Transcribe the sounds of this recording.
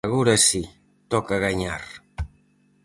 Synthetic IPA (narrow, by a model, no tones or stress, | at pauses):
ɣuɾasi | t̪ɔkaɣaɲaɾ